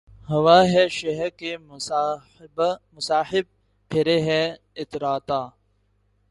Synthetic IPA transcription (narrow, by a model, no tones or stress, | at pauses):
hɐʋaːɦɛːʃɐɦɛɾke | bmʊsaːħɪb̚ | pʰɪɾeɦɛː | ɪt̪ɾaːt̪aː